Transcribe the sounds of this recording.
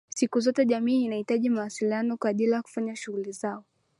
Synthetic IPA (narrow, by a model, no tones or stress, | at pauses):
sikuzɔtɛʄamiːnahitaʄimawasilianɔkaɗilajaku̥faɲaʃuɣulizaɔ